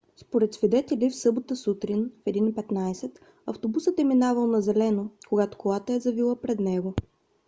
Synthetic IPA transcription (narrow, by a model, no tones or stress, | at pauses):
spoɾɛt̪svid̪ɛt̪ɛlʲifsɤbot̪əsut̪ɾinfɛd̪inpɛt̪najsɛt̪ | ɐft̪obusət̪ɛminavəlˠnɐzɛlɛnokoɡat̪o̥kolˠat̪əɛzɐvilˠəpɾɛd̪nɛɡo